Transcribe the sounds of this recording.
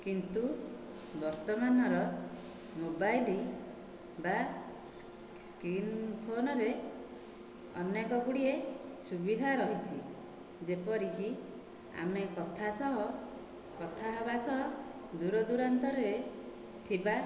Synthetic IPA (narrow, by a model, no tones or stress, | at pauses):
kint̪u | bɔɾt̪ɔmanɔɾɔ | mobajli | ba | skɾinpʰonɔɾe | ɔ̰nekɔɡuɽiesubid̪ʱaɾɔɦit͡ʃʰi | d͡ʒepɔɾiki | a̰mekɔt̪ʰasɔɦɔ | kɔt̪ʰaɦɔbasɔɦɔ | d̪uɾɔd̪uɽant̪ɔɾe | t̪ʰiba